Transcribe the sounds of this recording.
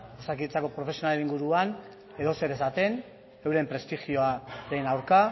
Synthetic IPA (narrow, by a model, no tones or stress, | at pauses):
osakiet͡sako̞pɾo̞fesio̞naleiŋɡuɾuan | e̞ðo̞se̞ɾesat̪e̞n | e̞wɾe̞mpɾe̞st̪ixio̞aɾe̞nawɾka